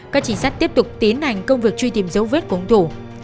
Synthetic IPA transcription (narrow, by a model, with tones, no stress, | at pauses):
kaː˦˥k̚t͡ɕï˧˩ŋ̟saː˦˥k̚t̪i˦˥əp̚t̪ʊ˨˩k͡p̚t̪i˨˦ənha˨˩jŋ̟kə˧wŋ͡mvɨ˨˩ək̚t͡ɕwi˧t̪i˨˩əmzə˨˦wve˦˥t̚ku˧˩˨ŋ͡mt̪ʰu˧˩